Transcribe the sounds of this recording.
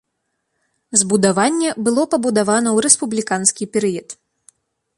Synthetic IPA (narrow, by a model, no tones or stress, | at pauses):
zbud̪avanʲːɛbɨlˠɔpɐbud̪avanɐwɾɛspublʲikanskʲipʲɛɾɨjɐt̪